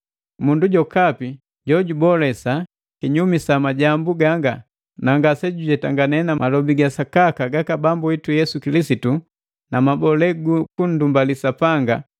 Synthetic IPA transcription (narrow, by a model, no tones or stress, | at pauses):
munduɟɔkapi | ɟɔɟubɔlɛsa | kiɲumisamaɟambuɡaŋɡa | naŋɡasɛɟuɟɛtaŋɡanɛnamalɔbiɡasakakaɡakabambuitujɛsukilisitu | namabɔlɛɡukun̩dumbalisapaŋɡa